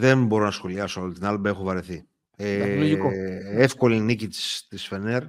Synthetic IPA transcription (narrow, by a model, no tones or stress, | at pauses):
ðemboɾo̞nɐsxo̞liɐsoolt̪inɐlbɐexuvɐɾeθi | elikoefko̞linicit̪i̥st̪isfeneɾ